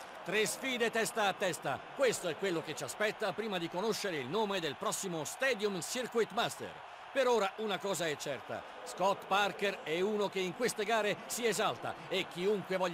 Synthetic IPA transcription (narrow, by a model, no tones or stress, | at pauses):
t̪ɾesfiːd̪et̪ɛst̪aːt̪ːɛst̪a̰kwest̪oɛkːwelːok̟et͡ʃaspɛt̪ːapɾiːmad̪ikonoʃːeɾeilnoːmed̪elpɾɔsːimost̪ɛːd̪jumsirkuit̪mast̪ḛr | peɾoːɾaʔunakɔːzaɛt͡ʃːɛrt̪a̰ | skɔt̪parkerɛuːnokeiŋkwest̪eɡaːɾesiezalt̪a̰ | ek̟ːiuŋkwevɔʎː